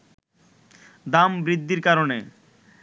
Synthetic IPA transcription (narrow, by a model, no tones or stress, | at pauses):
d̪ambɾid̪ːiɾkaɾone